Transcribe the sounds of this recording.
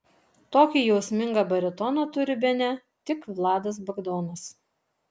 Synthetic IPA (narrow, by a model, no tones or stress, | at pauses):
t̪oːkʲiːjɛʊsʲmʲɪŋɡɐbɐɾʲɪt̪ɔnɐt̪ʊɾʲɪbʲɛnʲɛ | t̪ʲɪkʋlˠɑːd̪ɐs̬bɐɡd̪ɔːnɐs